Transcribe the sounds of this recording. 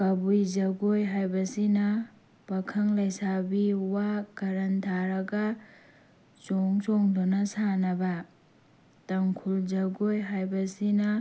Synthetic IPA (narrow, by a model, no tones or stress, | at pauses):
kɐbujzɐɡojɦajbɐsinɐ | b̥ɐkʰɐŋlɐjsabiwakɐɾɐntʰaɾɐɡɐ | t͡ʃɔŋsɔŋdonɐsanɐbɐ | tɐŋkʰulzɐɡojɦajbɐsinɐ